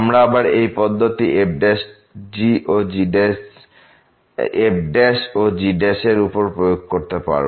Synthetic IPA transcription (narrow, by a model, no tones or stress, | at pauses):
amɾaabaɾejpɔd̪ʱːot̪ieb̚ɖeʃ | d͡ʑiʔod͡ʑies | eb̚ɖeʃod͡ʑiɖeʃeɾupoɾpɾojoɡ̚koɾt̪epa̰ɾ